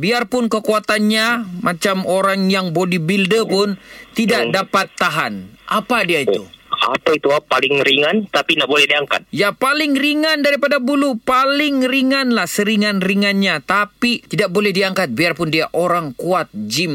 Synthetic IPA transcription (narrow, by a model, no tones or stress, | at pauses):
biarpʊnkəkuat̪anɲamʔat͡ʃamoɾaŋjaŋbodibildəpʊnt̪idaʔdapat̪ːaɦanʔapadiait̪ua̰pait̪uapalɪŋɾiŋant̪apinaʔ̚bolɛhdiaŋka̰t̪̚japalɪŋriŋandaɾipadabulupalɪŋriŋanlahsəɾiŋanriŋanɲat̪apit̪idak̚bolɛhdiaŋkat̪̚biarpʊndiaʔoɾaŋkuat̪̚d͡ʒim